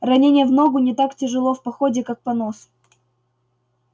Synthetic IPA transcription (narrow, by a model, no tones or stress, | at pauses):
rɐnʲenʲɪjəvnoɡʊnʲɪt̪aktʲɪʐɨlˠo̞fpɐxodʲɪkak̚pɐnos